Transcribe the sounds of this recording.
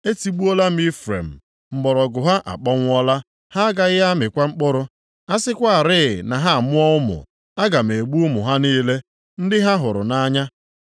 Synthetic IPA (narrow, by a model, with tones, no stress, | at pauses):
e˦ti˨ɡ͡bu˦ɔ˦la˦m̩˦i˦fɾḛ˨m̩˨ | ŋ͡m̩˨ɡ͡bɔ˨ɾɔ˨ɡʊ˨ɦa˦ʔa̰˨k͡pɔ˦ŋʷ˦ɔ˦la˦ | ha˦ɡa˨ɣɪ˦ɦa˦mɪ˨kʷa˦ŋ͡m̩˦k͡pʊ˦ɾʊ˦ | a˦sɪ˦kʷa˦a˨ɾɪ˦˨na˨ɦa˦a˨mʊ˦ɔ˦ʊ˦mʊ̰˨ | a˦ɡa˨m̩˨e˨ɡ͡bu˦ʊ˦mʊ˨ɦa˦niː˦le˦ | n̩˦dɪ˦ɦa˦ɦʊ˨ɾʊ̰˨na˦ɲa˦